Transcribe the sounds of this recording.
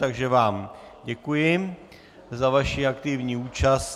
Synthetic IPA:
t̪aɡʒɛvaːmɟɛkujɪ | zavaʃiakt̪ɪvɲiːuːt͡ʃast

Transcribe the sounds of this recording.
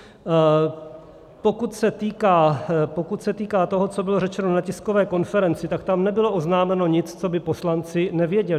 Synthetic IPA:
po̞kut̪sɛt̪iːkaːpo̞kut̪sɛt̪iːkaːt̪o̞ɦo̞t͡so̞bɪloɾɛt͡ʃɛnonacɪsko̞vɛːko̞nfɛɾɛnt͡sɪt̪akt̪amnɛbɪlo̞ʔoznaːmɛno̞ɲɪt͡st͡so̞bɪpo̞slant͡sɪnɛvjɛɟɛlɪ

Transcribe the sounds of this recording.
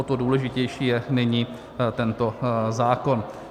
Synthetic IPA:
ot̪oduːlɛʒɪcɛjʃiːjɛnɪɲiː | t̪ɛnt̪o̞zaːko̞n

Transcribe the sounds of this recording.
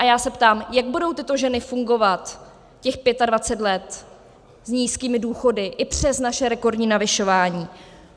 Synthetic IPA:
ʔajaːsɛpt̪aːmjaɡbudo̞wt̪ɪt̪o̞ʒɛnɪfuŋɡo̞vat̪ | cɛxpjɛt̪advat͡sɛt̪lɛt̪ | zɲiːskiːmɪduːxo̞dɪʔɪpr̝̥ɛsnaʃɛɾɛko̞rdɲiːnavɪʃo̞vaːɲiː

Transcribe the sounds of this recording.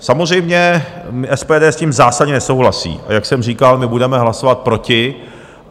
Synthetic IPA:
samozr̝ɛjmɲɛmɪʔɛspɛːdɛːsciːmzaːsadɲɛnɛso̞wɦlasḭːʔa̰jaksɛmriːkalmɪbudɛmɛɦlasovat̪̚pɾo̞cɪ

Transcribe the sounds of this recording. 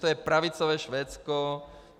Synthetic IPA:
t̪ɔjɛpɾaʋit͡sɔʋɛʃʋɛːt͡skɔ

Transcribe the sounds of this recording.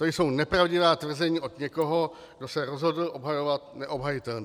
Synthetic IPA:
t̪ojso̞wnɛpɾavɟɪvaːt̪vr̩zɛɲiːʔo̞d̪ɲɛko̞ɦo̞ | ɡdo̞sɛɾo̞zɦo̞dl̩ʔo̞bɦajo̞vat̪̚nɛʔo̞bɦajɪt̪ɛln

